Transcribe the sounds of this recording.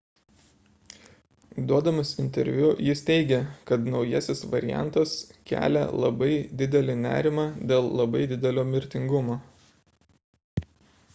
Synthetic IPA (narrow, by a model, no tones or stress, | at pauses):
d̪uɔd̪ɐmɐsɪnʲt̪ʲɛ̰ɾʲʋʲʊjɪst̪ʲɛɪɡʲɛkɐt̪nɒʊjɛsʲɪsʋɐɾʲɪ̰jæ̰nt̪oskʲæ̰ːlʲɛ̰lˠɐ̰bɐɪd̪ʲɪd̪ʲɛlʲɪnʲæ̰ːɾʲɪmɑːd̪ʲeːlˠlˠɐbɐɪd̪ʲɪd̪ʲɛlʲoːmʲɪɾʲt̪ʲɪŋɡʊmoː